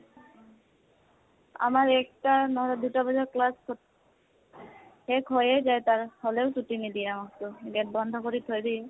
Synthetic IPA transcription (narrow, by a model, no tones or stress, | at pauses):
a̰maɹɛk̚tanɔɦɔɾɔdutabɔzɔɹklasʰ | ɛkʰojɛzajtaɹhɔleʊsutinidiamɔktʊɡɛt̚bɔnd̪ʱɔkoɹitʰojdi